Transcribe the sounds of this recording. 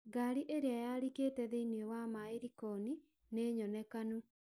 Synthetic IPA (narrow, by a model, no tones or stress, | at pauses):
ɡaɾiʔeɾeajaɾiketɛðeiniewamaeɾikɔni | neɲɔnɛkanu